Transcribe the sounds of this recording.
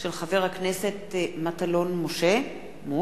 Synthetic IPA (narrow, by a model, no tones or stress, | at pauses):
ʃelχave̞ʁhaknese̞tmatalo̞nmoʃe | mu